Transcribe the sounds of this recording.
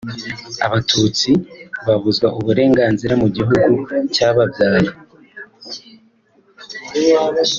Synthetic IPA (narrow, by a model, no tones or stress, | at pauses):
a̰βatʰuːt͡siβaβuzɡwaʔuβuɾe̞ːŋɡaːnziɾamuɟiɦuɡucaːβabjaːɾi